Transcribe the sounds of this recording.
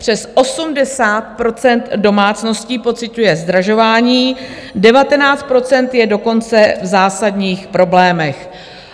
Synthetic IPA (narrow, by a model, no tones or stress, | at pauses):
pr̝̥ɛsʔo̞sumdɛsaːt̪̚pɾo̞t͡sɛnt̪do̞maːt͡sno̞sciːpo̞t͡sɪcujɛzd̪ɾaʒo̞vaːɲiːdɛvat̪ɛnaːt͡st̪̚pɾo̞t͡sɛnt̪jɛdo̞ko̞nt͡sɛvzaːsadɲiːxpɾo̞blɛːmɛx